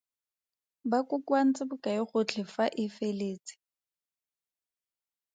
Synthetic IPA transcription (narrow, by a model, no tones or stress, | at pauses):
bakʊkwan̩t͡sʼɪbʊkaɪχʊt͡ɬʰɪfaʔɪfeleːt͡sɪ̥